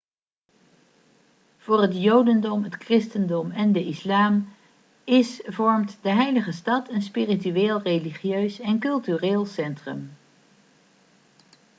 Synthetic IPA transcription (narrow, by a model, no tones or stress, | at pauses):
v̥ʊːrɦətjowdəndɔmɦətkrɪstəndɔmɛndəʔɪslaːm | ɪsvɔɹmtdəɦɛjləχəstɑtʰənspirityeːlˠrejliχjøɥsɛnkɵlˠtyreːlˠsɛntrə̰m